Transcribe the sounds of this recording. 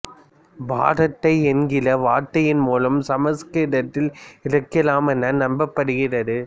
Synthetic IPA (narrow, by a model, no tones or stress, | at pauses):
bʱa̰ːɾɐt̪ːɐɪɛnɡɪlɐʋaːʈːɐjɪnmuːlɐmsɐmɐskɪɽɐt̪ːɪlɪrɐkːɪlaːmɛnːɐnɐmbɐpːɐɽɯɣɪrɐðɯ